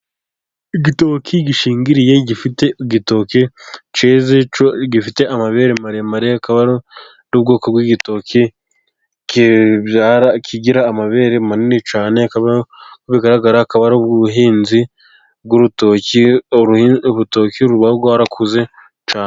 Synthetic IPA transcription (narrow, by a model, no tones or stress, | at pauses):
iɡitokʰiɟiʃiːŋɡiɾije̞ɟifiteiɡito̞kit͡ʃezeoɡifite̞ʔamaβeɾemaɾemaɾeakaβaɾo | nuːb̚ɡoːkobɡwiɡito̞kʰi | kiβaɾakʰiɡiɾaːmaβe̞ɾemaninit͡ʃaːne̞kaβakuβiɡaɾaɡaɾakaβaɾuβɡuuɦiːnzi | ɡuɾutoki | uβutokiuɾuβaɡohaɾakʰuze̞ | t͡ʃaːne